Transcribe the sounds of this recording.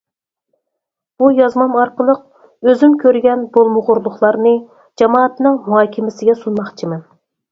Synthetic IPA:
b̥ujɑzmɑmɑɾqəlˠəq̚ | øzymkʲʰøɾɡʲɛnbolˠmʊʁʊɾlˠʊχlˠɑɾnɨ | d͡ʒɑmɑːɑt̪nɨŋmuɦɑːkʲʰimɪsɪɡʲɛsunmɑχt͡ʃʰimɛn

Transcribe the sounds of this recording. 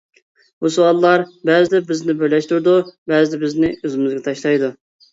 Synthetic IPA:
busuwɑlˠːɑɾbɛzɪd̪ɛbɪznɪbøjlɛʃt̪uɾd̪ubɛzɪd̪ɛbɪznɪøzɪmɪzɡʲɛt̪ʰɑʃlˠɑjd̪u

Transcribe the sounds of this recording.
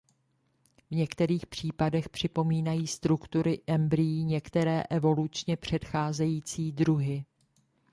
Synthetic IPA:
vɲɛkt̪ɛɾiːxpr̝̥iːpadɛxpr̝̥ɪpo̞miːnajiːst̪ɾukt̪uɾɪʔɛmbɾɪjiːɲɛkt̪ɛɾɛːʔɛvo̞lut͡ʃɲɛpr̝̥ɛt̪xaːzɛjiːt͡siːdɾuɦɪ

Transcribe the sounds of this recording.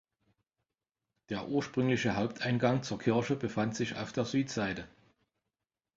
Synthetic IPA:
d̥eːɐʔuːɐʃpʁ̥ʏŋlɪçəɦaʊp̚tʰʔaɪnɡaŋt͡suːɐkʰɪɐʃəbəfantz̥ɪça̰ʊfd̥eːɐzyːtz̥aɪtə

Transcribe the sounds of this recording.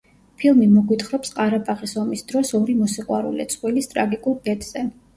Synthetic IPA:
pʰilˠmimɔɡwit̪χɾɔpsqʼaɾabaʁisɔmisd̪ɾɔsɔɾimɔsiqʼwa̰ɾṵlḭt̪sʼχʼwilist̪ʼɾaɡikʼulˠbɛd̪z̥ɛ

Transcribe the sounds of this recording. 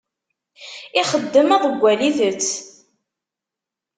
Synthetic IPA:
iχəd̪ːəmæðəɡʷːæliðət͡sː

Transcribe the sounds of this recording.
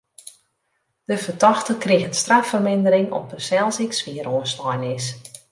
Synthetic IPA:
d̥əvərdɔxtəkrɪɣənstrafərmɪndəɾɪŋɔ̰p̚dəsɛlˠsɪksʋiəɾoəstɔjnɪs

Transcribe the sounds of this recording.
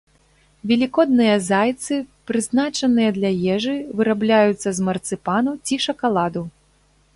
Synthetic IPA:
vʲɛlʲikɔd̪nɨjɐzajt̪sɨpɾɨznat͡ʂɐnɨjɐd̪lʲɐjɛʐɨvɨɾablʲajut̪sːɐzmɐrt̪sɨpanut͡sʲiʂɐkalˠad̪u

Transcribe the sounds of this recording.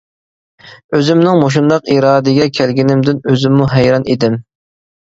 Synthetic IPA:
øzɪmnɪŋmoʃ̬und̪ɑqiɾɑːd̪ɪɡʲɛkʲʰælɡʲinɪmd̪ɪnøzɪmːuɦæjɾɑnid̪ɪm

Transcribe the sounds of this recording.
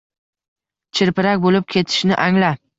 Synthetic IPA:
t͡ʃʰɪɾpɪɾakʲbolɪp̚kʲʰe̞t̪ʰɪ̥ʃnɪʔaŋla

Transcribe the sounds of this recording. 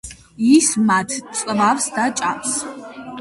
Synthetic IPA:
ismatʰt͡sʼɨvavsdat͡ʃʼapʰs

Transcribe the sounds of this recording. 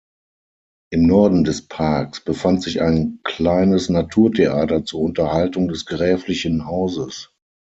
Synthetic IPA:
ʔɪmnɔɐdn̩dɛspʰaːɐksb̥əfantz̥ɪça̰ɪnkl̥aɪnəsnatʰuːɐtʰeʔaːtɐt͡suːɐʊntɐhaltʊŋdɛsɡ̥ʁɛːflɪçənhaʊzəs

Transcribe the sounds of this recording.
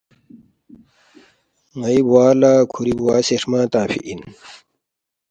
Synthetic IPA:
ŋɐibwaːlaːkʰuɾibwaːseʂmãːt̪ãːfḭʔin

